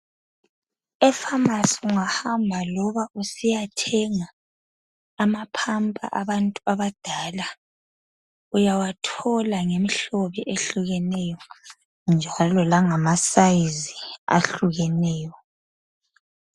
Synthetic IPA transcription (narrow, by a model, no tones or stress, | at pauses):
ɛfamasiuŋahambʱalɔβaʔusijatʰɛŋaː | mapʰampʼa̰ʔaβantʼuaβad̥ʱaːla | ujawatʰɔlaŋemiɬoβiʔeɬuɣɛnɛjɔ | nd͡ʒʱalɔlaŋamasaizia̰ɬuɣɛnɛːjɔ